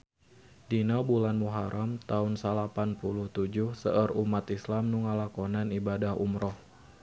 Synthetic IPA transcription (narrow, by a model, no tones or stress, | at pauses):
dinabulanmuɦaɾʔamt̪aʊnsalapanpuluht̪ud͡ʒʊhsəʔərumat̪islamnuŋalakonanibadahṵmɾɔh